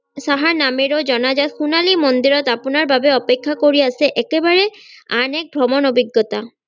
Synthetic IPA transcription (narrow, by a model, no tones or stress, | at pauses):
saɦaɹnameɹod͡ʒɔnad͡ʑat̪̚xunalimɔnd̪iɾɔt̪apunaɹbʱabeɔpekʰːakoɹiaseʔɛkebaɹeanɛk̚bʱɹɔmɔnɔbiɡːɔt̪a